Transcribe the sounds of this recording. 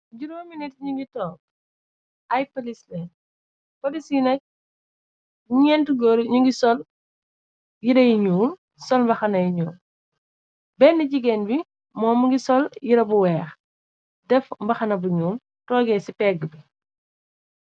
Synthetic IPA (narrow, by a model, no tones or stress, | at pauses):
ɟuɾumɐminɛtɲuŋɡitɔːŋ | ɐjpɐlislɛ | pɐdisinɐk̚ | ɲɛntuɡɔɾɲuŋɡisɔl | jiɾɐjiɲuːm | sɔlmbɐxɐnɐjiɲuːm | bɛnːiɟiɡɛnbi | mɔːmuŋɡisɔljiɾɐbuwɛːx | dɛfmbɐxɐnɐbuɲuːm | tɔːɡɛsipɛɡːəbi